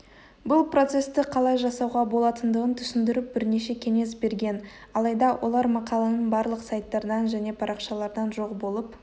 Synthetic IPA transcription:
bʊlˠpro̞t̪se̞st̪ɪqʰɑlˠɑjʒɑsɑwʁɑbo̞lˠɑt̪ənd̪əʁənt̪ʰʏ̥sɪnd̪ɪɾɪp̚bɪɾne̞ʃe̞kʲʰe̞ŋe̞s̬be̞ɾɡʲe̞n | ɑlˠɑjd̪ɑwʔo̞̰lˠɑɾmɑqɑlˠɑnəɴbɑɾlˠəqsɑjt̪ːɑɾd̪ɑnʒæne̞pʰɑɾʔɑqʃɑlˠɑɾd̪ɑnʒo̞qbo̞lˠəp

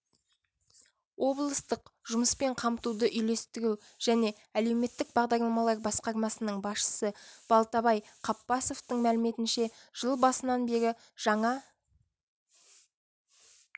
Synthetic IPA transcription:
wʔo̞blˠəst̪əqʒʊməspe̞ɴqʰɑmt̪ud̪əʔʏjle̞st̪ɪɡʲɪw | ʒ̥æne̞ | æle̞wme̞t̪ːɪk̚bɑʁd̪ɑɾlˠɑmɑlˠɑɾbɑsqɑɾmɑsənəɴbɑsʃə̥səb̥ɑlˠt̪ɑβɑjqʰɑpːɑso̞ft̪əɴmælɪme̞t̪ɪnʃe̞ʒ̥əlˠbɑsənɑnbe̞ɡʲɪ | ʒ̥ɑɴɑ

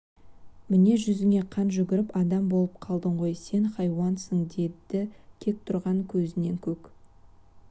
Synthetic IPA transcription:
mɪne̞ʒʏzɪŋe̞qʰɑnʒʏɡʲɪɾɪpɑd̪ɑmbo̞lˠəp̚qʰɑlˠd̪əɴʁo̞jse̞nχɑjwɑnsəŋd̪e̞d̪ɪkʲʰe̞k̚t̪ʰʊɾʁɑŋkʲʰɵzɪne̞ŋkʲʰɵk

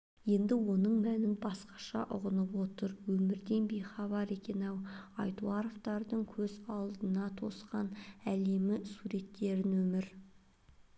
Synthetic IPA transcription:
je̞nd̪ɪwo̞nəɴmænɪnbɑsqɑ̥ʃɑ̰ʔʊ̰ʁənəpwo̞t̪əɾwɵmɪɾd̪e̞nbe̞jχɑβɑɾe̞kʲe̞nɑwɑjt̪uɑɾoft̪ɑɾd̪əɴkʲʰɵzɑlˠd̪ənɑt̪ʰo̞sqɑnæle̞mɪsuɾe̞t̪ːe̞ɾɪnwɵmɪɾ

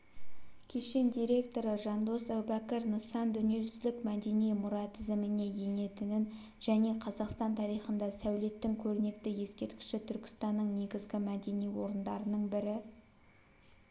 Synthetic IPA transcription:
kʲʰe̞ʃe̞nd̪ijɾe̞k̚t̪o̞ɾəʒɑnd̪o̞sæwbækʲɪɾnəsɑnd̪ʏnije̞ʒʏzlɪkmæd̪e̞nijmʊɾɑt̪ʰɪzɪmɪne̞je̞ne̞t̪ɪnɪn | ʒæne̞qʰɑzɑqst̪ɑnt̪ʰɑɾijχənd̪ɑsæwle̞t̪ːɪŋkʲʰɵɾɪne̞kt̪ɪje̞skʲe̞ɾt̪̚kʲɪ̥ʃɪt̪ʰʏɾkʲɪ̥st̪ɑnːəɴne̞ɡʲɪzɡʲɪmæd̪e̞nijwo̞ɾənd̪ɑɾənəɴbɪɾɪ

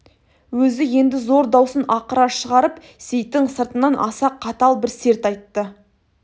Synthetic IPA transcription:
wɵzɪje̞nd̪ɪzo̞ɾd̪ɑwsənɑqəɾɑʃəʁɑɾəp | se̞jt̪ːɪŋsəɾt̪ənɑnʔɑ̰sɑqʰːɑt̪ɑlˠbɪɾse̞ɾt̪ɑjt̪ːə

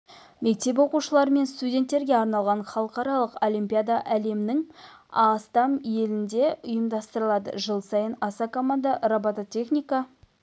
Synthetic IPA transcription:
me̞k̚t̪e̞p̬wo̞quʃəlˠɑɾəme̞nst̪udʲent̪ːe̞ɾɡʲe̞ɑɾnɑlˠʁɑɴχɑlˠəqɑɾɑlˠəqo̞lʲijmʲpʲijad̪aʔæle̞mɪnɪŋɑst̪ɑmje̞lɪnd̪e̞ʊjəmd̪ɑst̪əɾəlˠɑd̪ə̰ʒəlˠsɑjənɑsɑkomand̪aɾabat̪ot̪ʲʰe̞χnʲijka

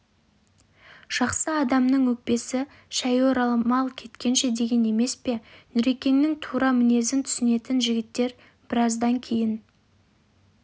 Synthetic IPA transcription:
ʒ̥ɑqsəɑd̪ɑmnəŋwɵk̚pe̞sɪ | ʃæjoɾɑlˠmɑlˠkʲʰe̞t̪kʲe̞nʃe̞d̪e̞ɡʲe̞ne̞me̞spe̞nʏɾe̞kʲe̞nːɪŋt̪ʰuɾɑmɪne̞zɪnt̪ʰʏ̥sɪne̞t̪ɪnʒɪɡʲɪt̪ːe̞ɾ | b̥ɪɾɑzd̪ɑŋkʲʰe̞jɪn

